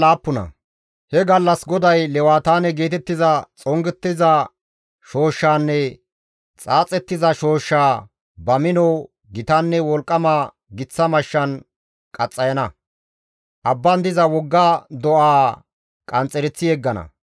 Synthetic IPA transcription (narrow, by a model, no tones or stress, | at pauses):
laːpːʊnɐ̰ | hɛɡɐlːɐsɡɔd̪ɐjlɛwaːt̪aːnɛɡe̞ːt̪ɛt̪ːɪzɐt͡sʼɔŋɡɛt̪ːɪzɐ | ʃo̞ːʃːaːnːɛ | t͡sʼaːt͡sʼɛt̪ːɪzɐʃo̞ːʃːaː | bɐmɪnɔw | ɡɪt̪anːɛwɔlkʼːɐmaː | ɡɪt͡sːɐmɐʃːɐn | kʼɐt͡sʼːɐjɐnɐ | ʔɐbːɐnd̪ɪzɐwɔɡːad̪ɔʔaː | kʼɐnt͡sʼːɛɾɛt͡sːɪɛɡːɐnɐ̰